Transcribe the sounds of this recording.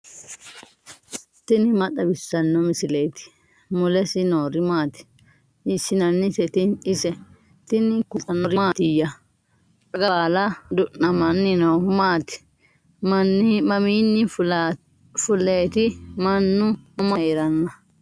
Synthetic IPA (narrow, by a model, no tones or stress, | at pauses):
t̪ɪnɪmɐtːɐbɪsːɐnːɔmɪsɪlejt̪ɪ̥ | mʊlɛsɪnoːɾɪmaːt̪ɪ̥ | ɪsɪnɐnːɪsɛt̪ɪnɪsɛ | t̪ɪnɪkʊtʼɐnːɔɾɪmaːt̪ɪjɐ | kɐɡɐlɐd̪ʊʔːɐmɐnːɪnɐwmaːt̪ɪ̥ | mɐmiːnːɪ | fʊleːt̪ɪmɐnːʊɔmɐjeɾɐnːɐ